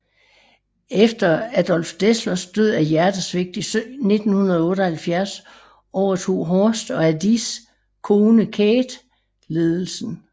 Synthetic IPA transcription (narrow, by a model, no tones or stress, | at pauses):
efd̥ɐæd̥ɒ̽l̰fd̥eslɐsd̥øð̰ˠæjæɐd̥əsʋe̝ɡ̥̚d̥isøne̝d̥n̩hunɐðˠɔ̽ːɾ̥əhælfjæɐ̰s | ɒʊ̰ɐt͡sʰo̝̰ːɦɒsd̥ɒ̽æd̥is | kʰo̝ːnəkʰeːd̥ | le̝ːð̞ˠl̩sn̩